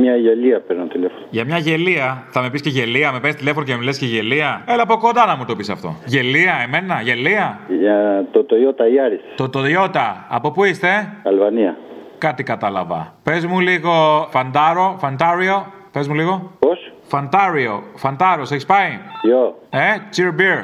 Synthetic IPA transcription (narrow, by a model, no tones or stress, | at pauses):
mɲɐʝeliɐpeɾnot̪ile̞fonoʝɐmɲɐʝe̞liɐθɐme̞pisceʝe̞liɐme̞pest̪ile̞fo̞nocememilesceʝe̞liɐelɐpokond̪ɐnɐmut̪o̞pisɐft̪o̞̰ʝe̞liɐe̞me̞nɐʝe̞liɐ | t̪ot̪ojot̪ɐiɐɾist̪ot̪ojo̞t̪ɐɐ̰po̞puist̪e̞ɐlvɐniɐkɐt̪ikɐt̪ɐlɐ̰vɐ̰pe̞zmuliɣo̞fɐnd̪ɐɾo̞fɐnd̪ɐɾio̞ | pe̞zmuliɣo̞pos | fɐnd̪ɐɾio̞fɐnd̪ɐɾo̞seçispɐijoe̞t͡ʃiɾbiɾ